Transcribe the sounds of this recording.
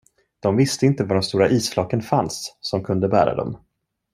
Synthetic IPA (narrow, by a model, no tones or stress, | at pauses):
d̪̥ɔmvɪst̪əɪnt̪əvaɖɔmst̪uːɾaʔiːsflɑːkənfansːɔmkʰɵnd̪əbæːɾa̰d̪ɔ̰m